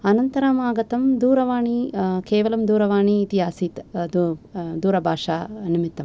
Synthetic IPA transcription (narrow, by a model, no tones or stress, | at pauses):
ɐnɐnt̪ɐɾaːmaːɡɐt̪ɐmd̪uːɾɐʋaːɳikeːʋɐlɐmd̪uːɾɐʋaːɳiːt̪iɦaːsit̪d̪d̪uːɾɐbʱaːʂaːnimit̪ːɐm